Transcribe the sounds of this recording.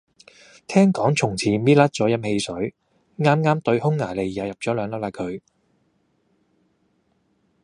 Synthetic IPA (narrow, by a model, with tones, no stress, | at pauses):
t̪ʰɛː˥ŋkɔː˨˥ŋt͡sʰʊ˨˩ŋt͡sʰiː˨˩miː˥t̚laː˥t̚t͡sɔː˨˥jɐ˥mhe˧jsɵ˨˥ɥ | ŋaː˥mŋaː˥mt̪ɵ˧ɥhʊ˥ŋːaː˨˩le˨˩jjaː˨˧wjɐ˨p̚t͡sɔː˨˥lœː˨˧ŋla˦˥p̚laː˧˩kʰɵ˨˧ɥ